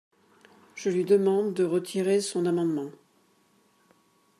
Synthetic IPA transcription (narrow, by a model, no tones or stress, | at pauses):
ʒ̥əlɥid̪əmɑ̃d̪ːəʁət̪ʰiʁesɔ̃namɑ̃d̪mɑ̃